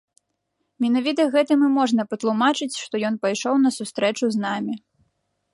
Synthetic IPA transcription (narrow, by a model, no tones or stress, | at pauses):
mʲɛnavʲit̪ɐɣɛt̪ɨmɨmɔʐnɐpɐt̪lˠumat͡ʂɨt͡sʲʂt̪ɔjɔnpajʂɔwn̪ɐsust̪ɾɛt͡ʂuznamʲi